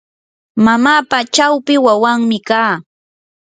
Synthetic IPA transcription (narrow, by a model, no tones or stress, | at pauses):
mamaːpat͡ʃawpɪwawaŋmɪkaː